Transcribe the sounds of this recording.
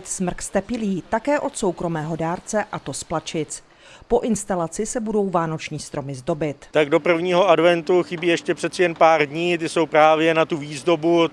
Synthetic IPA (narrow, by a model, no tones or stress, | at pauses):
t̪smr̩kst̪ɛpɪliːt̪akɛːʔo̞t̪so̞wkɾo̞mɛːɦo̞daːɾt͡sɛʔat̪o̞splat͡ʃɪt͡s | po̞ʔɪnst̪alat͡sɪsɛbudo̞wvaːno̞t͡ʃɲiːst̪ɾo̞mɪzdo̞bɪt̪t̪aɡdo̞pr̩vɲiːɦo̞ʔadvɛnt̪uxɪbiːjɛʃcɛpr̝̥ɛt̪sɛjɛnpaːrdɲiːt̪̬ɪso̞wpɾaːvjɛnat̪uviːzdo̞bu